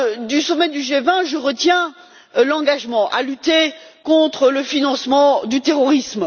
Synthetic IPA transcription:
d̪ysɔmɛd̪yʒevɛ̃ʒəʁət̪jɛ̃ | lɑ̃ɡaʒmɑ̃ʔa̰lyt̪e | kɔ̃t̪χələfinɑ̃smɑ̃d̪yt̪eʁɔʁism

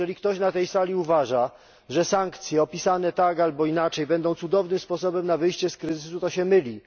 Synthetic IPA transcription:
ɛlʲikt̪ɔɕnat̪ɛjsalʲiuvaʐa | ʐɛsaŋkt̪sʲjɛɔpʲisanɛt̪aɡalbɔinat͡ʂɛjbɛnd̪ɔ̃w̃t̪sud̪ɔvnɘmspɔs̬ɔbɛmnavɘjɕt͡ɕɛskɾɘzɘsut̪ɔɕɛmɘlʲi

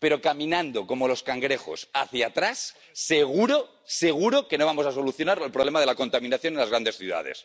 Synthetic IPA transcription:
pe̞ɾo̞kamĩnãnd̪o̞ko̞mo̞lo̞skaŋɡɾe̞xo̞̰saθjat̪ɾasː | e̞ɣuɾo | se̞ɣ̞uɾo̞ke̞no̞βamo̞saso̞luθjo̞naɾelpɾole̞maðe̞lako̞nt̪amĩnaθjo̞nenlazɣɾand̪e̞sθjṵð̞a̰ð̞e̞̰s

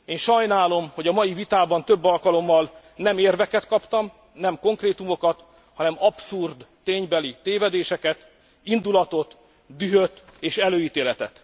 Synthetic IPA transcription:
eːnʃɒjnaːlo̞mho̞ɟɒmɒjivit̪aːbɒnt̪ø̞bːɒlkɒlo̞mːɒl | nɛmeːrvɛkɛt̪kɒpt̪ɒm | nɛmko̞ŋkreːt̪umo̞kɒt̪ | hɒnɛmɒpsurd̪ːeːɲbɛlit̪eːvɛd̪eːʃɛkɛt̪ | ind̪ulɒt̪o̞t̪ | d̪yɦøt̪eːʃɛløːiːt̪eːlɛt̪ɛ̰t̪

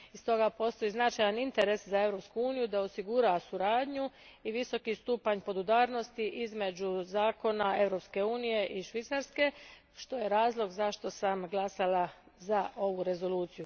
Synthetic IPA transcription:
ist̪o̞ɡapo̞st̪o̞jiznat͡ʃajanint̪eɾe̞szae̞vɾo̞pskuuːnijud̪aosiɡuɾasuɾaːd̪ɲu | iʋiso̞kist̪uːpaɲpo̞d̪ud̪aːɾno̞st̪iʔizme̞d͡ʒuzaːko̞nae̞ʋɾo̞pske̞uːnije̞ʔiʃʋit̪saɾske̞ | ʃt̪o̞je̞ɾaːzlˠo̞ɡzaʃt̪o̞samɡlˠasala | zaʔo̞ʋuɾe̞zo̞lˠuːt̪siju

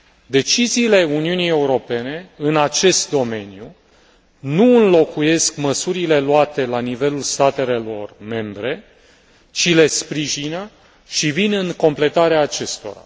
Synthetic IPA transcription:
d̪e̞t͡ʃiziːle̞uniunije̞uɾo̞pe̞ne̞ɨnat͡ʃe̞st̪̚d̪o̞me̞niju | nuɨnlo̞kuje̞skməsuɾile̞luat̪e̞lanive̞lulst̪at̪e̞lelo̞̰rme̞mbɾe̞ | t͡ʃile̞spɾiʒinə | ʃivinɨŋko̞mple̞t̪aɾeaːt͡ʃe̞st̪o̞̰ɾa̰

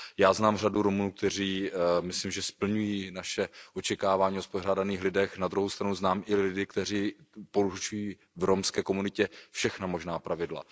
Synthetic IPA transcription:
jaːznaːmr̝aduɾomunuːk̚t̪ɛr̝iːmɪslimʒɛspl̩ɲujiːnaʃɛʔo̞t͡ʃɛkaːvaːɲiːospor̝aːdaniːxlɪdɛxnad̪ɾuɦowst̪ɾanuznaːmʔɪlɪdɪkt̪ɛr̝iː | po̞ɾut͡ʃujiː | vɾomskɛːko̞munɪcɛfʃɛxnamo̞ʒnaːpɾʔavɪdla̰

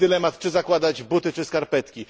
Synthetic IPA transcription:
d̪ɘlɛmat̪t͡ʂɘzakwad̪ad͡ʑbut̪ɘt͡ʂɘskaɾpɛt̪kʲi

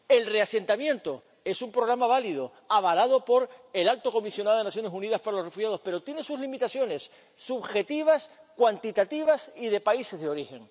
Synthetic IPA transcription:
e̞lre̞ase̞nt̪amjẽ̞nt̪o̞ | e̞sumpɾo̞ɣ̞ɾamaβ̞alið̞o | aβalað̞o̞po̞ɾe̞lalt̪o̞ko̞misjonaðoenasjonesunið̞aspaɾalo̞sre̞fuxjað̞o̞spe̞ɾot̪jenesuzlimit̪asjo̞ne̞sː | uβxe̞t̪iβ̞askwant̪it̪at̪iβ̞asiðe̞paise̞zðeo̞ɾixe̞ŋ

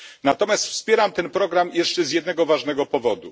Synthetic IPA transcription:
nat̪ɔmʲjast̪fspʲjɛɾamt̪ɛnpɾɔɡɾamjɛʂt͡ʂɛzʲjɛd̪nɛɡɔvaʐnɛɡɔpɔvɔd̪u

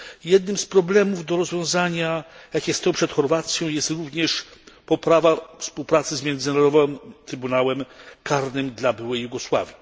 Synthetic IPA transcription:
jɛd̪̚nɘmspɾɔblɛmuvd̪ɔɾɔzvʲjɔ̃w̃zaɲajakʲɛst̪ɔwpʂɛt̪xɔɾvat̪sʲjɔ̃w̃jɛst̪ɾuvɲɛʂpɔpɾavafspuwpɾat̪sɘzmʲjɛnd̪zɘnaɾɔd̪ɔvɔmt̪ɾɘbunawɛmkaɾnɘmd̪labɘwɛjːuɡɔswa̰vʲji

